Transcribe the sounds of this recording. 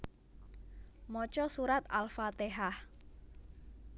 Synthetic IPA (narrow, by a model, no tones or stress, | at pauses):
mɔt͡ʃɔsuɾat̪alfat̪eɦah